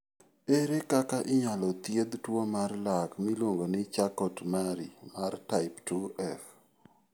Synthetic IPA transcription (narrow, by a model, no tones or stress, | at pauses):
eɾekakaʔɪɲalɔt̪jed̪twomarlakmilwoŋɡonɪt͡ʃakɔtmaɾimartaɪptuɛf